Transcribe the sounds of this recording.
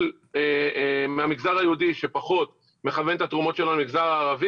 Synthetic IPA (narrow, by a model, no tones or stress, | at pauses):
l | emeamiɡzaʁajeud̪iʃe̞paχo̞t̪ | me̞χavent̪at̪ʁumo̞tʃeloalmiɡzaʁaːʁavi